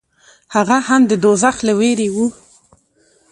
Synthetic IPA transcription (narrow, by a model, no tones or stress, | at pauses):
haɣahamd̪əd̪ozaxləweɾewu